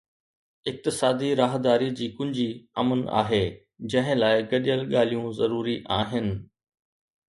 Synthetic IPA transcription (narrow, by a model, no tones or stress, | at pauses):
ɪk̚t̪ɪsaːd̪iɾaːɦd̪aːɾid͡ʑiːkʊ̃ɪ̃ɲd͡ʑiɐ̰məna̰ːɦeː | d͡ʑɐ̃ɦɪ̃laːɪɡɐɗijəlɠaːl̤ijũzɐɾuːɾiʔaːɦɪnɪ̆